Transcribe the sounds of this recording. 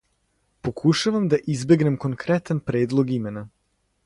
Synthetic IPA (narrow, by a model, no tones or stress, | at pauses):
po̞kʰuʃaʋamd̪aʔizbe̞ɡne̞mkoŋkɾet̪anpɾe̞ːd̪lˠo̞ɡime̞na